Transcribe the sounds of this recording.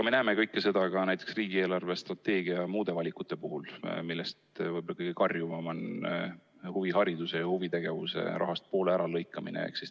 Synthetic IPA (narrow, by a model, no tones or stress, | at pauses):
ɑme̞næːme̞kɤjkːese̞d̪̥ɑkɑnæjt̪ːˑeksriːɡ̥ie̞ːlɑrve̞st̪rɑt̪ːe̞ːɡ̥iɑmuːd̪e̞vɑlʲikːˑut̪ːˑe̞puhulmilːest̪vɤjbolɑkɤjɡ̥ikɑrjuvɑmɑn | huviɦɑɾid̪̥use̞jɑhuvit̪e̞ɡ̥e̞vṵse̞̰rɑ̰ɦɑst̪̚po̞ːleæɾɑlɤjkˑːɑmḭnḛḛksis